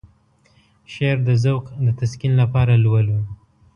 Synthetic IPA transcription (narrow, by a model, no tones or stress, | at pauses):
ʃeɾd̪əzawqd̪ət̪askinlapɑɾalwəlu